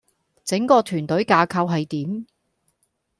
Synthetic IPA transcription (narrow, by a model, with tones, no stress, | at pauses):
t͡sɪ˨˥ŋkɔː˧t̪ʰyː˨˩nt̪ɵ˨˥ɥkaː˧kʰɐ˧wɦɐ˨jt̪iː˨˥m